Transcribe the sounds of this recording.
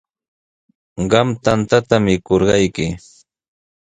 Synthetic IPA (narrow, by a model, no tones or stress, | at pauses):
ɢɑmt̪ant̪at̪amɪkoɾɢɑjkɪ